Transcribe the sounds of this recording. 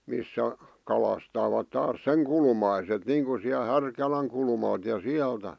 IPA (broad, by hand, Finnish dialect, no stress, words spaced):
misːæ kɑlɑstɑːʋɑt tɑːs seŋ kulmɑiset niːŋku siæl hærkælæŋ kulmɑlt jɑ siæltæ